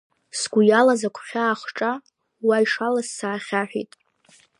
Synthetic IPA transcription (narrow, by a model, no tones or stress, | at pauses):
sɡʷujalazakʷʰχʲaːχʈ͡ʂʼa | waiʂalassaːχʲaħʷᶣḭtʼ